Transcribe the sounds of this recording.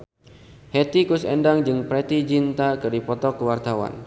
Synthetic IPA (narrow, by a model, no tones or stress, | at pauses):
het̪ikusɛndaŋd͡ʒɨŋpɾɛt̪id͡ʒint̪akɨrdipɔt̪ɔkːəwart̪awa̰n